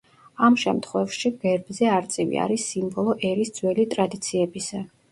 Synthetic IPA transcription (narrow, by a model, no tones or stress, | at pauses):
amʃɛ̰mt̪ʰχwɛfʃiɡɛɾbzɛaɾt̪sʼivḭa̰ɾisimbɔlˠɔʔɛɾisd̪zwɛlit̪ʼɾad̪it̪sʰiɛbisɛ